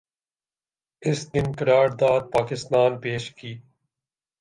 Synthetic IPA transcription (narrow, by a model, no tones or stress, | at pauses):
ɪsd̪ɪnkɐɾaːɾd̪aːd̪̚paːkɪst̪aːnpeːʃkiː